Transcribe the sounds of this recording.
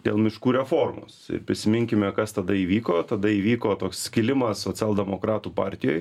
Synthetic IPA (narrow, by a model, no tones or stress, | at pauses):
d̪ʲḛːlˠmʲɪʃkuːɾʲɛfoːrmo̰ːsɪ̰ɾpʲɾʲɪsʲɪmʲɪŋʲkʲɪmʲɛkɐst̪ɐd̪ɐiːʋʲiːkoːt̪ɐd̪ɐiːʋʲiːkoːt̪oːksskʲɪlʲɪmɐssoːt͡sʲɛlˠd̪ʲɛmoːkɾɑːt̪uːpɑ̰ːɾʲt̪ʲɪjo̰ːj